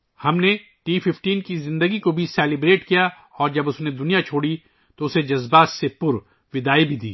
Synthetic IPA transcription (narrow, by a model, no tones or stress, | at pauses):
hɐmne | ʈiːfɪfʈiːnkizɪ̃nd̪əɡikobʱisɛːlɪbɾeːʈkija | ɔːɾd͡ʒɐbʊsned̪ʊnijat͡ʃʰoːɽi | t̪oʊsed͡ʒɐzbaːt̪sepʊɾ | ʋɪd̪aːibʱid̪ḭː